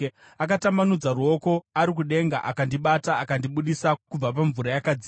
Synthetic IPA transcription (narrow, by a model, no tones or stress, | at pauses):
akatamanud͡zaruo̞ko̞aɾik̬uɗe̞ŋɡa̰ʔakandiɓataakandiɓuɗisakub͡vapaɱvuɾajakad͡zi